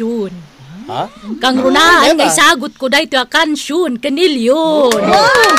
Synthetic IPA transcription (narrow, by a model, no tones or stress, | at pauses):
un | kaŋɾunanŋaisaɡut̪̚kodait̪uakanʃunkəniliun